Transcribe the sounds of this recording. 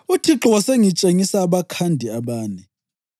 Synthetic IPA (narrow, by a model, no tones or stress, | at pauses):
utʰiǁɔwɔseŋit͡ʃʼeŋisaːβakʰandʱiaβaːnɛ